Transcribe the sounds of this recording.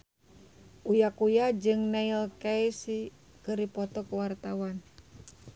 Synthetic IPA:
ʔujakujad͡ʒɨŋnailkajsi | kɨɾipɔt̪ɔkuwart̪awan

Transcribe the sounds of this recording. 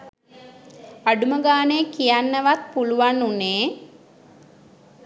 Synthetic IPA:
aɖuməɡaːnəjəkijanːəʋat̪̚puluʋanːuneː

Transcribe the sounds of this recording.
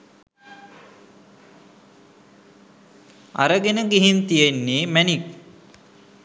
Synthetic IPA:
a̰ɾəɡenəɡiɦint̪ijenːeːmænik̚

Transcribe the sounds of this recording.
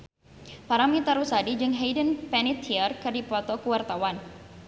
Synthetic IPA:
paɾamit̪aɾusadid͡ʒɨŋɦejdənpɛnit̪ʰiərkɨrdipɔt̪ɔkuwart̪awan

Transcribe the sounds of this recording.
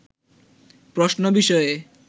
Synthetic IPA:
pɾoʃnobiʃɔe

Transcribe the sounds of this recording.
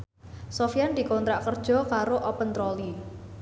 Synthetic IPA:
sofijand̪i̤kɔnt̪ɾaʔkərd̥ʒ̥ɔ̤kaɾoʔɔpənt̪ɾɔli

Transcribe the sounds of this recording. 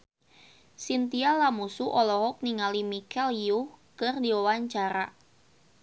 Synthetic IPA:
sint̪ialamusuʔɔlɔɦɔk̚niŋalimikɛljuhkɨrdiɔwaɲt͡ʃaɾa

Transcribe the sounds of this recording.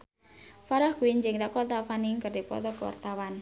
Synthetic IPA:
faɾahkuiɲd͡ʒɪŋdakɔt̪afaniŋkərdipɔ̰t̪ɔkəwa̰rt̪awan

